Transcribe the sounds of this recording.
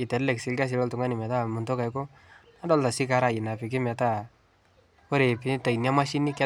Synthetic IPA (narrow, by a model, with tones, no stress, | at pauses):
i˨tɛ˨ɾlɛ˨ksi˨lka˦s̬i˧lɔ˦ltu˨ŋɡa˦ni˨mɛ˨ta˦mu˨nto˦ka˨jko˦ | na˦dɔ˦lta˨si˦ka˦ɾa˨i˨na˨pi˨k̬ɪ˦mɛ˨ta˦ | ko˦ɾe˨pi˨ta˨inja˦ma˦ʃi˦ni˦kɛ˦